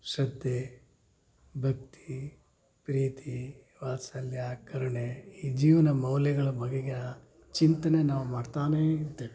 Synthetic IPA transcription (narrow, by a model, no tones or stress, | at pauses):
sɐd̪ːje | bʱɐk̚t̪ʰi̥ | pɾiːt̪i | ʋaːsɐljakɐɾɐɳeiːd͡ʒiːʋɐnɐmɐwlɛɡɐɭɐbʱɐɡeɡe | t͡ʃint̪ɐnenaːʋumaːɽt̪aːneidt̪ːeːʋe